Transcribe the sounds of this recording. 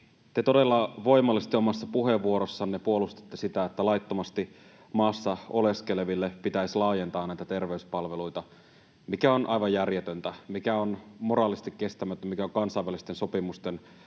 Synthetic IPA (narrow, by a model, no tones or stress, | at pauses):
t̪et̪o̞delːɑʋo̞imɑlist̪iomɑsːɑpuɦeʋːuo̞ɾosːɑnnepuo̞lust̪e̥t̪ːesit̪æet̪ːælɑijt̪ːomɑst̪i | mɑːsːɑo̞le̞ske̞leʋilːepit̪æislɑːje̞nt̪ɑːnnæit̪æt̪e̞rʋeyspɑlʋeluit̪ɑ | mikæo̞nʔɑjʋɑjjærjet̪ønt̪æmikæonmo̞ɾɑːlist̪ikke̞st̪æmæt̪ːæmikæoŋkɑnsɑiʋælist̪enso̞pimust̪en